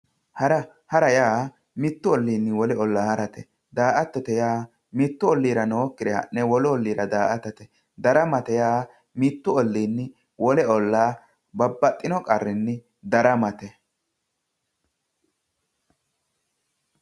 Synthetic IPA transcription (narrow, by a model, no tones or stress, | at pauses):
hɐɾɐ | hɐɾɐjaː | mɪt̪ːʊɔlːiːnːɪwɔlɛɔlːaːhɐɾɐt̪ɛ | d̪aːʔɐt̪ːɔt̪ɛjaː | mit̪ːʊɔlːiːɾɐnoːkːɪd̪ɛhɐ̰nːɛwɔlɔɔlːiːɾɐd̪aːʔɐt̪ɐt̪ɛ | d̪ɐɾɐmɐt̪ɛjaː | mit̪ːʊɔlːiːnːɪ | wʔɔlɛɔlːaː | bɐbːɐt̪ʼːɪnɔkʼɐrːɪnːɪ | d̪ɐɾɐmɐt̪ɛ